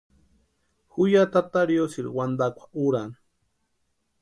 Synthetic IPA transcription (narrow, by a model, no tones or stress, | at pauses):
xujat̪at̪aɾjosiɾwand̪akʷʰḁuɾan